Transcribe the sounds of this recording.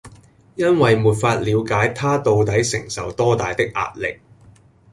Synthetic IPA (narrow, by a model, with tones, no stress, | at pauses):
jɐ˥nwɐ˨jmuː˨˩t̚faː˧t̚liː˨˧wkaː˨˥jt̪ʰaː˥t̪o˧wt̪ɐ˨˥jsɪ˨˩ŋsɐ̰˨wt̪ɔː˥t̪aː˨jt̪ɪ˥k̚ʔa̰ː˧t̚lɪ̰˨k̚